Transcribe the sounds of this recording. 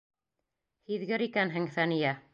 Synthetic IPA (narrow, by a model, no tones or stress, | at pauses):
hiðɡɘɾikænɦɘŋθænijæ